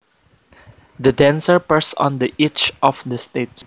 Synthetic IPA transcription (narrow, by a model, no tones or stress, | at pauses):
d̪ədɛ̃nsəpɛsɔ̰̃nd̪əʔɪt͡ʃʔɔfd̪əstets